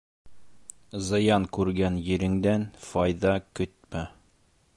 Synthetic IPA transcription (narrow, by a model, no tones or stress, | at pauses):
zɤ̆jɑŋkʉɾɡænjɘ̆ɾɘ̆ŋd̪ænfɑjðɑkɵt̪̚mæ